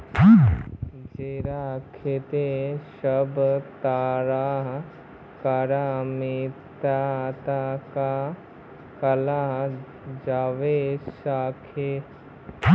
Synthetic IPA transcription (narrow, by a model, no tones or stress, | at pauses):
d͡ʒeːɾaːkʰet̪eʃəbt̪aːɾaːɦ | kaɾaːmit̪aːt̪aka | kɐlaɦ | d͡ʒaːʋesaːkʰeː